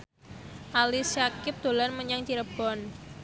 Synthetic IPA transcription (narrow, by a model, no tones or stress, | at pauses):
ʔalisjakɪp̚d̪̥o̤lanməɲaŋt͡ʃiɾəb̥ɔn